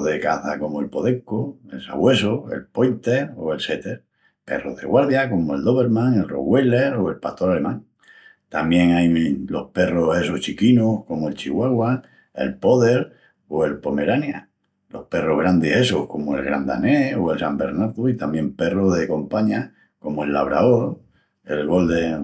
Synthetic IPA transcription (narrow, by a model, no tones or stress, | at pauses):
ðekaθako̞moelpo̞ðeŋkoelsa̰ɣwe̞soe̞̰lpojnt̪e̞o̰e̞lse̞t̪eɾ | pe̞̰roðḛɣwaɾðjakomoeld̪o̞βe̞ɾmãŋe̞lro̞̰ɣweleɾo̞e̞lpaht̪o̞ɾale̞mãŋ | t̪amje̞ŋajlo̞̰hpe̞rose̞soht͡ʃikinohko̞moe̞lt͡ʃiɣwaɣwa | e̞̰lpo̞ðeɾ | oe̞lpo̞me̞ɾanja | lo̞hpe̞roɦɣ̞ɾand̪ese̞sohko̞moe̞̰lɣɾa̰nd̪a̰neoe̞lsambe̞ɾnaɾðuit̪amje̞mpe̞roɦðe̞ko̞mpaɲa | ko̞moe̞lːaβ̞ɾaoɾ | e̞lɣo̞ld̪e